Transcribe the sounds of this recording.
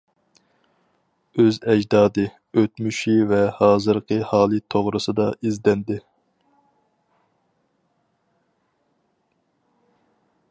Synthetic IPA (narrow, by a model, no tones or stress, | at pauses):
øzɛd͡ʒd̪ɑːd̪ɨ | øt̪myʃivɛhɑːzɨɾqʰəhɑːlˠɨt̪ʰoʁɾɨsɨd̪ɑʔizd̪ɛnd̪ɪ